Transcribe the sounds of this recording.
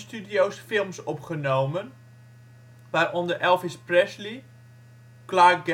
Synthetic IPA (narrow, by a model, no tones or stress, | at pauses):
stydijowsfɪlˠmsɔpχənowmən | ʋarɔndərɛlˠfɪsprɛsli | klaːk̚ɡ